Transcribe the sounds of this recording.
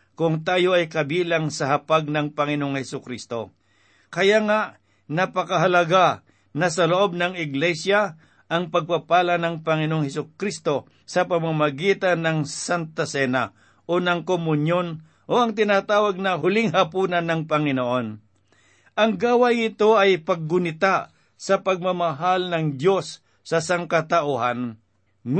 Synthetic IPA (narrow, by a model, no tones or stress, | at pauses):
kʊŋt̪aːjoɐjkɐbiːlaŋsɐɦɐpaɡ̚nɐŋpɐŋɪnooŋhɛsʊkɾist̪o̞̰ | kɐjaŋaʔ | nɐpɐkɐɦɐlɐɡa | nɐsɐloʔo̞b̚nɐŋɪɡlɛsja | ʔɐŋpɐɡ̚papaːlanɐŋpɐŋɪnooŋhɛsʊkɾist̪o̞ | sɐpɐmamɐɡiːt̪anɐŋsant̪asɛna | ʔonɐŋkomʊnjon | ʔoʔɐŋt̪ɪnat̪aːwɐɡ̚nɐɦʊlɪŋɦɐpunɐnːɐŋpɐŋɪnoʔo̞n | ʔɐŋɡaːwajŋɪt̪o̞ɐjpɐɡːʊnɪt̪a | sɐpɐɡ̚mɐmɐɦalnɐŋd̪jo̞sː | ɐsaŋkɐt̪aʔuhan